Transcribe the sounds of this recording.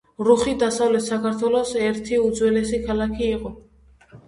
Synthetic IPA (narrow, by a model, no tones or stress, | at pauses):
ɾuχid̪asavlɛt̪sakʰaɾt̪ʰwɛlɔsɛɾt̪ʰiud̪zwɛlɛsikʰalakʰiːqʼɔ